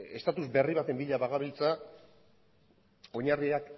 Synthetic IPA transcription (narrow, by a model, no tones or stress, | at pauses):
e̞st̪at̪uzbe̞riβat̪e̞mbiʎaβaɣaβilt͡sa | o̞ɲariak